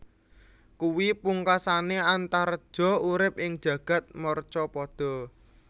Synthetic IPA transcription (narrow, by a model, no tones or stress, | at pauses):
kuwipuŋkasaneant̪aɾəd̥ʒ̥ɔ̤uɾɪp̚ɪŋ̥ʒ̥ä̤ɡ̥ä̤t̪̚mɔrt͡ʃɔpɔd̪̥ɔ̤